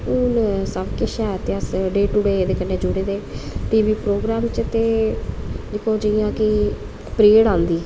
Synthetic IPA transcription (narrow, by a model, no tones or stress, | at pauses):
unsəbkɪʃɛːt̪ɪaːsɖeːʈʊɽeːd̪eːkənːeːd͡ʒʊɽeːd̪eːʈiːbiːpɾoːɡɾaːmt͡ʃt̪eː | d͡ʒɪkʰõːd͡ʒɪjãːkɪ | pɾeːɽãːnd̪iː